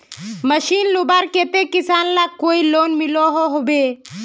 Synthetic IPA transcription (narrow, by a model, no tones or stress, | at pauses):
məʃiːnlubaɾkeːt̪ekisaːnlakoːiloːnmiloɦoɦobe